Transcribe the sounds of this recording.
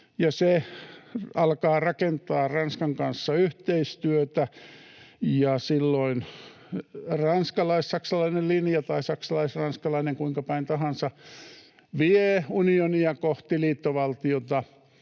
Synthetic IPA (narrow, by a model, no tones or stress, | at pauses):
jɑse | ɑlkɑːrɑkent̪ɑːrɑnskɑŋkɑnsːɑyht̪eist̪yøt̪æ | jɑsilːoin | rɑnskɑlɑissɑksɑlɑinellinjɑt̪ɑisɑksɑlɑisrɑnskɑlɑineŋkuiŋkɑpɑint̪ɑɦɑnsɑ | ʋieunioniɑkoht̪iliːt̪ːoʋɑlt̪iot̪ɑ